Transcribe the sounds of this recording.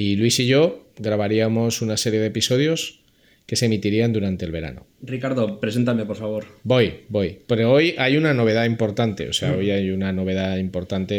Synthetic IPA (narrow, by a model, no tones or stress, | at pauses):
ilwisiʝo̞ɣɾaβaɾiamo̞sunase̞ɾje̞ð̞episo̞ð̞jo̞s | ke̞semit̪iɾiand̪uɾant̪e̞lβe̞ɾa̰no̰rikaɾðopɾese̞nt̪̬ame̞poɾfaβo̞ɾbo̞jbo̞jpeɾoo̞jajunano̞β̞e̞ðaimpo̞ɾt̪ant̪e̞̰o̰se̞ao̞jajunano̞β̞e̞ð̞aimpo̞ɾt̪ant̪e